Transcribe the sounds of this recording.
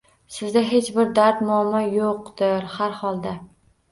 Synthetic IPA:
sɪzd̪aɦe̞t͡ʃbɪɾd̪aɾt̪mʊamɒjoqd̪ɪɾhaɾhɒlˠd̪a

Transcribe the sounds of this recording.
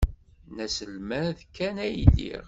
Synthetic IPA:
næsəlmæðkːænæjlːḭʁ

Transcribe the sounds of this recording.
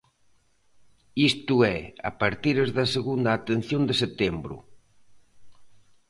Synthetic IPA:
ist̪uɛa̰paɾt̪iɾezðɐseɣund̪aːt̪en̟θjond̪eset̪embɾʊ̰

